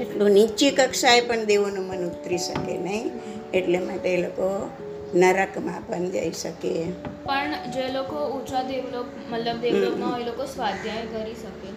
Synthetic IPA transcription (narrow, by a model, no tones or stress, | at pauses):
eʈlunit͡ʃikəkʃaepəɳd̪eʋonũmənʊt̪ɾiʃə̰kḛnəɦĩ | eʈlemãʈeloko | nəɾəkmãpənd͡ʒa̰iʃəkepəɳd͡ʒelokout͡ʃad̪eʋlok | mət̪ləb̚d̪eʋloknaelokosʋad̪ʱjaẽkəɾiʃəke